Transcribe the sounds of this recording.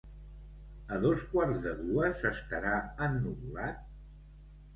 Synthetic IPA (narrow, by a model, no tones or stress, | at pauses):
əðoskwarzðəðuəzəst̪əɾaənːuβulat̪̚